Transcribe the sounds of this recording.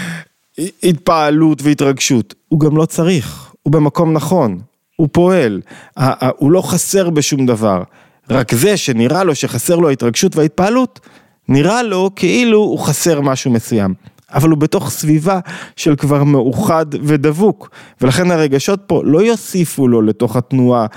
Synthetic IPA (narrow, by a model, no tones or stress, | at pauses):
it̚paalutveitʁaɡʃutuɡamlo̞t͡saʁiχ | ube̞mako̞mnaχo̞n | upo̞e̞laʔulo̞χase̞ʁbe̞ʃumd̪ava̰ʁ | ʁakze̞ʃe̞niʁalo̞ʃe̞χase̞ʁloaitʁaɡʃutvehait̚paːlut | niʁalo̞kʰeʔiluːχase̞ʁmaʃume̞suja̰m | avalubeto̞χsvivaʃe̞lkvaʁme̞uχadve̞d̪avukve̞laχe̞nhaʁe̞ɡaʃo̞t̚po̞lo̞jo̞sifulo̞le̞to̞χatnua